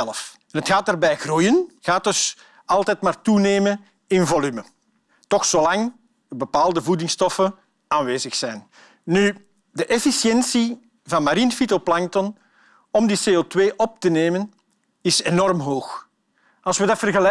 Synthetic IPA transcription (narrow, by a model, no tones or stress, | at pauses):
ɛləf | ɛnɦətxaːt̚daːrbɛjɣrujənɣaːt̚dɵs | ɑlˠtɛtmaːrtuneːmə | ɪnvɔlymə | tɔxsolɑŋ | bəpaːlˠdəvudɪŋstɔfə | aːnʋeːzəxsɛjn | ny | dəʔɛfisjɛnsi | vɑnmaɾinfitoplɑŋtɔn | ɔmdiseːoːtweːʔɔp̚təneːmən | ɪsenɔrmɦoːx | ɑlˠsʋədɑtfərɣəlɛ